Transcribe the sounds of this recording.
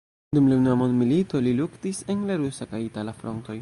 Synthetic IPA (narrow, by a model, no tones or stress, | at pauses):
dumlanamonmilitoliluktisenlaɾusakajitalafɾonto̞j